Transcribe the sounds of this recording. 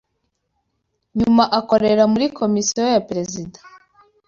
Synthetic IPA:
ɲumaʔako̞ɾe̞ɾamuɾiko̞misijojapɾe̞zidḁ

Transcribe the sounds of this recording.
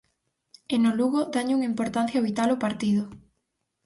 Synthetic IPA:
enoluɣod̪aɲuŋimpoɾt̪anθjaβit̪alopaɾt̪iðʊ

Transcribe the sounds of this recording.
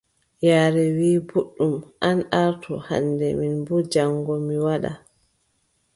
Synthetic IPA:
jaːɾɛwiːbuɗːumʔanʔaɾtʰɔ̰ha̰nːdɛminbɔd͡ʒaŋɡɔmiwaɗa̰

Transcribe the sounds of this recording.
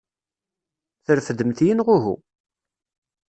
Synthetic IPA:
θəɾfəd̪ːəmθjinʁʊɦṵ

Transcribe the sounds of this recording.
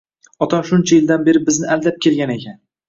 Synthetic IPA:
ɒt̪ʰɒmʃʊnt͡ʃʰajɪld̪anbe̞ɾɪbɪznɪʔald̪ap̚kʲʰe̞lɡʲane̞kʲan

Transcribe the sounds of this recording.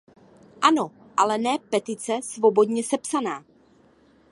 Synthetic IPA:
ʔano̞ | ʔalɛnɛːpɛt̪ɪt͡sɛsvobo̞dɲɛsɛpsanaː

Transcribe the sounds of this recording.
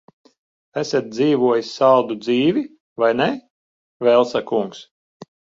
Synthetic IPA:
æsʲet̪̚d̪ziːvuɔjisʲːald̪ud̪ziːvʲi | vajne | vɛlˠsakuŋks

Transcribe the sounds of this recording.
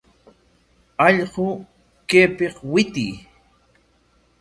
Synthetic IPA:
ɑʎɢo | keːpeqwɪt̪ɪ̰j

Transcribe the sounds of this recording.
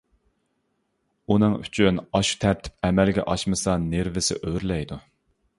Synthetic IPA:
unɨŋy̰t͡ʃʰynɑʃu̥t̪ʰɛɾt̪ʰɪ̥p̚ɛmɛlɡʲɛ̰ʔɑʃmɨsɑneɾvɪsɪ̰ʔøɾlɛjd̪u

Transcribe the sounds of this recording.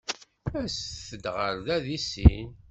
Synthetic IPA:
æsθəd̪ʁəɾðæðisḭn

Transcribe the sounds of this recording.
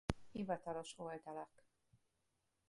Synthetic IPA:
ivɒt̪ɒlo̞ʃold̪ɒlɛk

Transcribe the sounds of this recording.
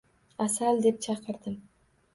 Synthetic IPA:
asald̪e̞p̚t͡ʃʰɑqɨɾd̪ɪm

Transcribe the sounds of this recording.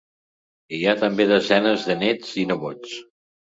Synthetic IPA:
ijat̪əmbeðəzɛnəzðənet͡sinəβot͡s

